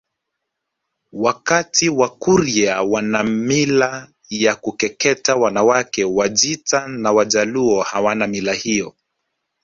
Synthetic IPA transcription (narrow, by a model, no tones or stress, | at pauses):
wakatiwakuɾiawanamila | jakukɛkɛtawanawakɛwaʄitanawaʄaluɔhawanamilahiɔ